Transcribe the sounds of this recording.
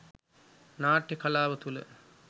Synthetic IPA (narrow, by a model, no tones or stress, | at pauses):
naːʈjekɐlaːʋət̪ulə̰